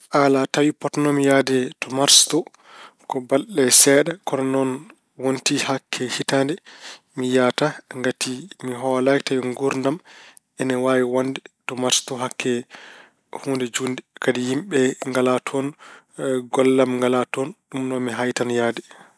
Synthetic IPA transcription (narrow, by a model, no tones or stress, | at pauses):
ʔalatawipɔtnɔmjadɛtɔmaɾstɔ | kɔbalɗɛsɛːɗakɔnɔnɔn | wontihakʰːɛhitandɛ | mijataŋɡatʰimiɦɔlajtawiŋɡuɾndam | ʔɛnɛwaːwiwandɛtɔmaɾstɔɦakːɛ | huːndɛd͡ʒundɛkadijimɓɛŋɡalatʰɔn | ɡɔlːamŋɡalatɔnɗumnɔmiɦajtanjaːdɛ